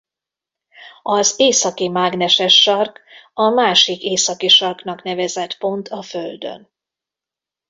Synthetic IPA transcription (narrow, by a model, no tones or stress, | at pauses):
ɒzeːsɒkimaːɡnɛʃɛʃːɒrkɒmaːʃikeːsɒkiʃɒrkn̪ɒkn̪ɛvɛzɛt̪po̞nt̪ʰɒføld̪ø̰n